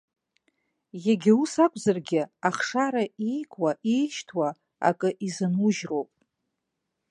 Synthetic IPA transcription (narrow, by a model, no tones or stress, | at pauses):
jaɡʲɪusakʷʰʼzarɡʲɪaχʂaɾaijkʷʼwaʔijʃtʰwa | a̰kʼɨʔizɨnuʒrowpʼ